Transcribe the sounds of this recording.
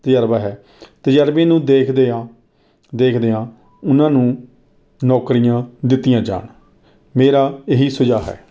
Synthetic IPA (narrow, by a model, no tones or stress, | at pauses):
t̪əjəɾbaːɦɛː | t̪əd͡ʒəɾbẽːnũːd̪eːkʰd̪eːãː | d̪eːkʰd̪eːãː | ʊnãːnũː | nɔːkɾijãːd̪ɪt̪ːɪjãːd͡ʒa̰ːɳ | meːɾaːeɦiːsʊd͡ʒaːɦɛ̰ː